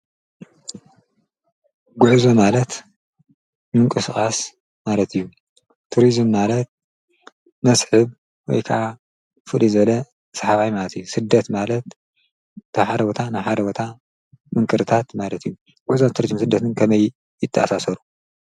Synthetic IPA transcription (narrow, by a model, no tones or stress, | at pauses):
ɡuʕzomalɐt̪ | mɨŋkʼɨsɨxʼas | malɐt̪ʰijːu | t̪ʰuɾizmːalɐt̪̚ | mɐsħɨβ | wɔ̰jkʰaʔa | fɨlizɨβɐlɐ | saħaβajmalɐt̪ijːusɨd̪ːɐt̪malɐt̪ | t̪ʰɐħad̪ɐwot̪ʰanaħad̪ɐwot̪ʰa | mɨŋkʼɨɾɨt̪ʰat̪malɐt̪ijːu | ɡ̥uʕzomt̪ʰuɾizɨmsɨd̪ːɐt̪ʰɨnkʰɐmɐj | jɪt̪ʰːɐʔasasɐɾu